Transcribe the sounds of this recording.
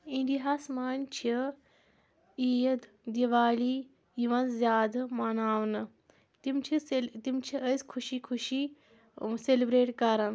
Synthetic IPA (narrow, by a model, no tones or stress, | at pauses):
inɖiɦaːsmaːnt͡ʃʰi | ijɐd̪ | d̪iʋaːliː | iʋɐnzzjaːd̪mɐnaːʋnɐ | t̪imt͡ʃʰiet̪imt͡ʃʰiʔəsʲkʰuʃiːkʰuʃiː | selibɾeːʈkaɾɐn